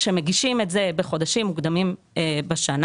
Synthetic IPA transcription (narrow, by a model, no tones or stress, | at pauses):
ʃemeɡiʃimetzebeχo̞d̪aʃimːukd̪amim | ebeʃan